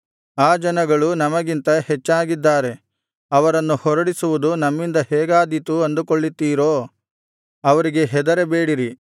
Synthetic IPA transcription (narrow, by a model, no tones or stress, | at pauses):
aːd͡ʒɐnɐɡɐɭunɐmɐɡint̪ɐhɛt͡ʃːaːɡid̪ːaːɾe̞ | ɐʋɐɾɐnːuhɔɾɐɽisuʋud̪unɐmːind̪ɐhɛːɡaːd̪it̪uɐnd̪ukoɭːit̪ːiːɾo̞ː | ɐʋɐɾiɡe̞ɦɛd̪ɐɾebe̞ːɽiɾi